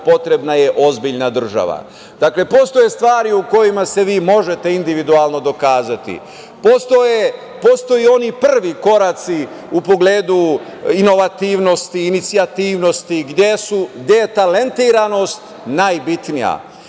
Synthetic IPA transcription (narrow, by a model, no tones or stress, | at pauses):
po̞t̪ɾe̞bnaje̞ʔo̞zbiʎnad̪r̩ʒa̰ʋa̰ | d̪̥akle̞po̞st̪o̞jest̪ʋaːɾiuko̞jimase̞ʋiːmo̞ʒe̞t̪e̞ind̪iʋid̪ualno̞d̪o̞kaːzat̪ḭ | post̪oje | po̞ːst̪o̞jio̞nipr̩ʋiko̞ɾat̪si | upo̞ɡleːd̪u | ino̞ʋat̪iːʋno̞st̪iːnit̪siat̪iːʋno̞st̪iɡd̪jesuɡd̪jejet̪ale̞nt̪iːɾano̞st̪ | najbit̪nija̰